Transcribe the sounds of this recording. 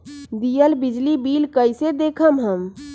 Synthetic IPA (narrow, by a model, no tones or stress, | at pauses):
d̪ijəlbɪd͡ʒlibiːlkəɪsed̪eːkʰəmɦəm